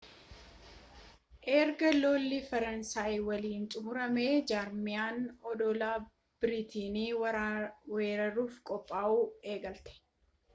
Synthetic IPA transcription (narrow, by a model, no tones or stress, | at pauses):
ʔɛːɾɡɐloːlːifɐɾɐnsaːjwɐliːnt͡ʃ̪ʼʊmʊɾɐmeːd͡ʒaːɾmɪjaːnɔd̪ɔlaː | b̥ɪɾit̪iːniː | we̞ːɾɐɾuːfkʼɔpʼːaːʔuːeːɡɐlt̪ɛ̥